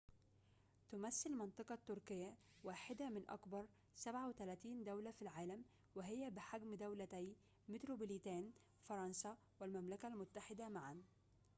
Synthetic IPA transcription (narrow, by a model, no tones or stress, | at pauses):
t̪ʊmæsːɪlmɑnt̪ˤɑqɑt̪ːʊɾkɪjːæ | wæːħɪd̪æmɪnʔɑ̰kbɑɾˤ | sæbʕawɪt̪ælæːt̪iːnd̪æwlæfilʕaːlæm | wɪɦɪjːæbɪħaɡmd̪æwlæt̪æj | mɪt̪ɾoblit̪æːn | fɑɾˤɑnsæ | wɪlmæmlækælmʊt̪ːaħɪd̪æmaʕan